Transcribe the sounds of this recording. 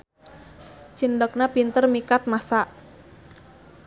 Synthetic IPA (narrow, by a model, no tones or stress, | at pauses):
t͡ʃindək̚napint̪ərmikat̪̚masaʔ